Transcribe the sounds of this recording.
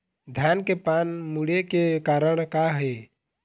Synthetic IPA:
d̪ʱjaːnkepaːnmuɽekekaːɾəɳ̃kaɦɛ

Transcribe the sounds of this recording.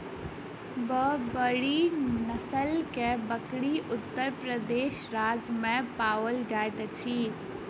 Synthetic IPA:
bəbɐɽinɐsəlkɛbɐkɽiʔʊt̪ːəɾpɾəd̪eːʃɾaːzmɛ̃paːʋəlɖaːjt̪ət͡ɕʰiː

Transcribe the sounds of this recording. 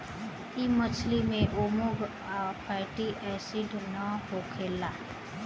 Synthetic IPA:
imət͡ʃʰlimẽʔomʊɡ | apʰaːɪʈiʔɛːsiɖnəɦokʰeːlaː

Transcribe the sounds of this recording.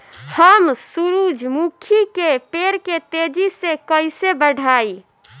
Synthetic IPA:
həmsuɾud͡ʒmukʰikepeɾket̪ed͡ʒisekəɪsebəɖʱai

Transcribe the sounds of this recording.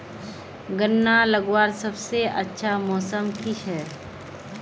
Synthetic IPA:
ɡənːaləɡwaːɾsɐbseɐtːʃʰamɔːsəmkʰiʃɛː

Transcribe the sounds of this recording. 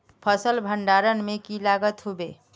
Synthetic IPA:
pʰəsəlbʱəɳɖaɾənmekilaɡət̪ɦobe

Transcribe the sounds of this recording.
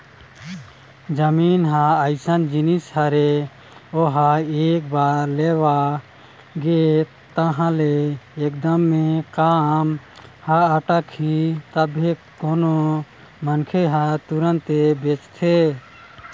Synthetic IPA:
d͡ʒəmiːnɦãəɪsənd͡ʒinisɦəɾe | oɦaeːk̚baːɾleʋa | ɡe | t̪əɦãleeːkd̪əmːekaːm | haəʈəkʰːit̪əbʱɦe | koːno | mənkʰeɦat̪uɾə̃nt̪ebet͡ʃt̪ʰe

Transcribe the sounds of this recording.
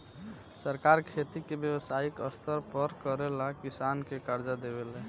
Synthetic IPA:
səɾkaɾkʰet̪ikebjəwəsaikəst̪ʰəɾpəɾkəɾelakisankekaɾd͡ʒad̪ebelɛ

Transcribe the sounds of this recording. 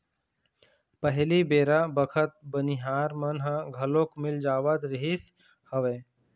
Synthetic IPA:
pəɦlibeːɾabəkʰət̪̚bəniɦaːɾmɐnɦãɡʱɐlõkmɪld͡ʒaːʋəd̪ɾɪɦɪs | həʋeː

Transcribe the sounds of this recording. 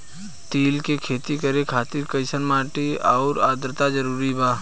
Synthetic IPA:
t̪iːlkekʰeːt̪ikəɾekʰaːt̪iɾkəɪsənmaːʈiaːɾaːd̪ɾt̪ad͡ʒəɾuːɾibaː

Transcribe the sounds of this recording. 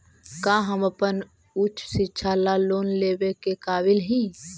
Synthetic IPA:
kaːɦəməpən | ʊt͡ʃʰsɪtːʃʰalaloːnleːʋekekaːbɪlɦĩː

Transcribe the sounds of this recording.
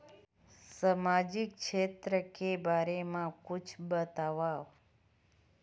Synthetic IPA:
səmad͡ʒik̚t͡ʃʰet̪ɾəkebaɾemãkut͡ʃʰbət̪aʋaʋ

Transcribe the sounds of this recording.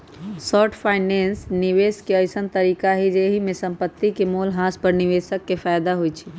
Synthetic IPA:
sɔːʈʰpʰaɪnensniʋeːskeəɪsənt̪əɾiːkaɦid͡ʒeɦimẽsəmpət̪ːikemolɦãspəɾniʋeːsəkːefʰajd̪aɦoit͡ʃʰi̥

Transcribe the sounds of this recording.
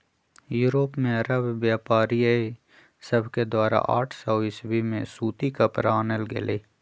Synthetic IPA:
juːɾoːpmẽɐɾəbːjaːpaːɾiəe | səbʱked̪waːɾa̰ʔa̰ːʈʰsɔːɪsbimẽsuːt̪ikapɾaːnəlɡɪ̰leː

